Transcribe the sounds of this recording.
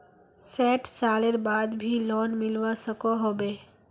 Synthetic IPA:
sɛːʈsaːleɾbaːd̪bʱilɔːnmɪlʋasəkoɦoːbeː

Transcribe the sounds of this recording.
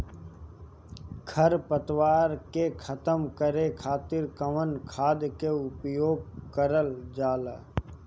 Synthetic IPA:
kʰəɾpət̪waːɾkekʰət̪əmkəɾekʰaːt̪ɪɾkəmənkʰaːd̪keʊpjoːɡ̚kəɾəld͡ʒaːla

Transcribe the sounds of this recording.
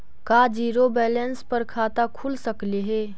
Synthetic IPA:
kaːd͡ʒiːɾobɛːlɛnspɐɾkʰaːt̪akʰulsəkleɦɛː

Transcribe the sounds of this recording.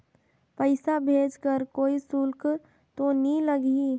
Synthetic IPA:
pəɪsabʱeːd͡ʒkəɾkoːisulk | t̪oniləɡi

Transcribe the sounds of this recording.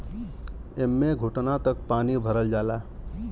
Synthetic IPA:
emːeɡʱuʈnat̪ək̚paːnibʱəɾəld͡ʒaːla

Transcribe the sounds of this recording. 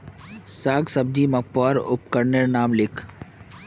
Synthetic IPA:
saːɡsɐb̚d͡ʒimɐk̚paːɾʊ̰pkəɾneɾnaːmlɪkʰ

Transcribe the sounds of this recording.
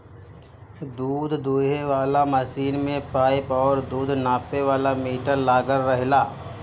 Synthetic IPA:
d̪uːd̪ʱd̪uːɦeʋaːlaməsiːnmẽpaːɪpɔːɾd̪uːd̪ʱnaːpeʋaːlamiːʈəɾlaːɡəɾːəɦlaː

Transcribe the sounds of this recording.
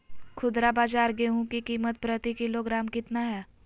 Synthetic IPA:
kʰʊd̪ɾabaːd͡ʒaːɾɡeːɦũkikiːmət̪̚pɾət̪ikɪloɡɾaːmkɪt̪naɦɛː

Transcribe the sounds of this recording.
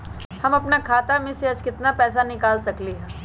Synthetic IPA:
hɐmɐpnakʰaːt̪amẽseɐd͡ʒkɪt̪napɛːs̬anɪkaːlsɐkleɦ

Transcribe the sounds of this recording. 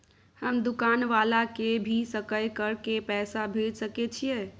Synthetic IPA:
həmd̪ukanʋalakebʱisəkəjkəɾkepɛsabʱed͡ʒsəket͡ʃʰije

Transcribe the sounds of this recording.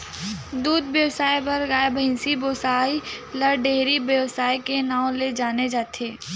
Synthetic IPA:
d̪uːd̪bjəwsaːibɐɾɡaːebəɦɪ̃nsiboːsaːiləɾɖeːɾibjəwsaːikenaːõled͡ʒaːned͡ʒaːt̪ʰeː

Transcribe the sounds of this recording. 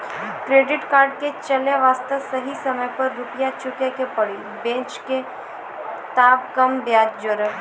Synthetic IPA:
kɾeːɖɪʈkaːɾɖ̚ket͡ʃɐleʋaːst̪əsɐɦisɐməjpɐɾːʊpjat͡ʃʊkjakepɐɽi | bẽːt͡ʃke | t̪aːbkɐmbjaːd͡ʒd͡ʒoːɾə

